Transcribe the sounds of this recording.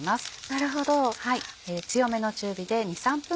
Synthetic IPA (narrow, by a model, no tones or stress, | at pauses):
masɨ̥naɾɯ̟ɦo̞d̪o̞haieːt͡sɨjo̞me̞no̞t͡ɕɨːbʲid̪e̞ɲ̟isãmpɯ̟̃